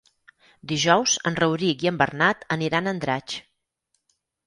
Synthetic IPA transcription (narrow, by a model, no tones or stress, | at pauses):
d̪iʒɔwzənrəwɾikiəmbərnat̪əniɾanənd̪ɾat͡ʃ